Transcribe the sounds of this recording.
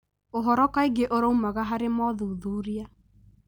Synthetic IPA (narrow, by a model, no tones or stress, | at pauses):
oɦɔɾɔkaiɡeʔoɾoumaɣaɦaɾemɔðuːðuːɾia